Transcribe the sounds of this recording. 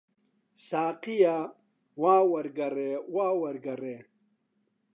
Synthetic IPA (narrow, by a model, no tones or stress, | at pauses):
saːqija | waːwɐɾɡɐɾewaːwɐɾɡɐɾeː